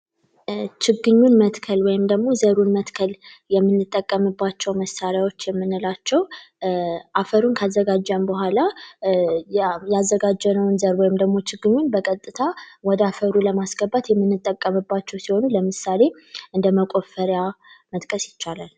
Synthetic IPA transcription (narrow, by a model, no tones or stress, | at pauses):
t͡ʃʰɪɡɨɲːunmət̪kʰəlwɔjɪmd̪əɡmo̞zəɾunmət̪kʰəljɛmːɨnːɨt̪ʼːəkʼːəmɨbːat͡ʃːɛwməsaɾjawo̞t͡ʃːjɛmːɨnːɨlat͡ʃːɛw | ʔafəɾunkʰazːəɡad͡ʒːəmbəhʷala | jazːəɡad͡ʒːɛnəwnzəɾwɔjɪmd̪əɡmo̞t͡ʃɪɡɨɲːunbəkʼət̪ʼːɨt̪ʰawɔd̪əafəɾuləmasɡ̥əbːat̪jɛmːɨnːɨt̪ʼːəkʼːəmɨbːat͡ʃːɛwsiho̞nuləmɨsale̞ | ʔɨnd̪əməkʼo̞fəɾjamət̪kʼəsjɪt͡ʃːalal